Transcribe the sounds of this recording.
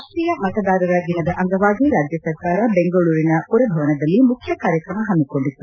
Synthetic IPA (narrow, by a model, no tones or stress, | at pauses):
aʂʈɾiːjɐmɐt̪ɐd̪aːɾɐɾɐd̪inɐd̪ɐʔɐŋɡɐʋaːɡiɾaːd͡ʒjɐsɐɾkaːɾɐbeŋɡɐɭuːɾinɐpuɾɐbʱɐʋɐnɐd̪ɐlːimukʰjɐkaːɾjɐkɾɐmɐɦɐnd̪uko̞ɳɖit̪ːu